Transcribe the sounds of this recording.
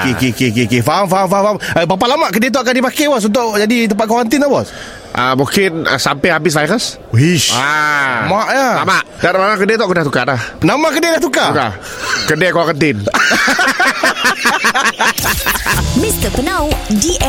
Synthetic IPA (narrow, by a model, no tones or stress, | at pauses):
kekekekekefamfaamfafambap̬alamaʔkədɛt̪̬ɔakandipakɛbɔs̬unt̪̬ʊʔd͡ʒadit̪əmpat̪̚kwakənt̪ɪnabɔs | ʔəmukɪnəsampɛhabɪsvajɾəs | ɦiʃamaʔjalamaʔdanmamakədɛt̪ɔʔkəndaht̪ukadahnamakədɛdaht̪ukaka̰ | kədɛkoakənt̪ɪn | mist̪əpənawdi